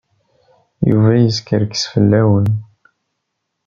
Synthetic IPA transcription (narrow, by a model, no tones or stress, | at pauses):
jṵvæjəskəɾksfəlːæwən